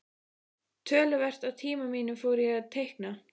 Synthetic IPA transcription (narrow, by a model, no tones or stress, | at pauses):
t̪ʰœːlʏvɛr̥t̪awt̪ʰiːmamiːnʏmfoːwɾɪjɛaðt̪ʰejhkna